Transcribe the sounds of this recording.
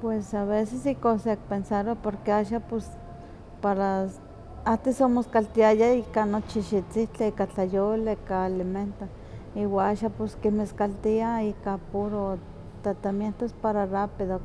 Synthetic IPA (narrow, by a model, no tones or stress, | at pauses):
pwesaβesesikosek̚pensaɾopoɾkeaʃapos | paɾa | at̪esomoskalt̪iajaikanot͡ʃiʃit͡siht͡ɬiekat͡ɬajolkaaliment̪o | iwaaʃaposkimeskalt̪iaikapuɾo | t̪at̪amjent̪ospaɾarapiðo